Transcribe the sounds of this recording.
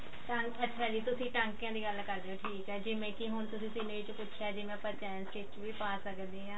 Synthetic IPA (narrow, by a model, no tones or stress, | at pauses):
ʈə̃ŋkətːʃʰaːd͡ʒiːt̪ʊsĩːʈə̃ŋkjãːd̪iːɡəlkəɾd̪eaːʈʰiːkɦɛːd͡ʒɪʋẽːkiɦʊnt̪ʊsĩːsɪneːt͡ʃpʊtːʃʰaːd͡ʒɪʋɛ̃ːpəɾt͡ʃɛːənsʈeːkt͡ʃʋiːpaːsəkd̪iːɦãː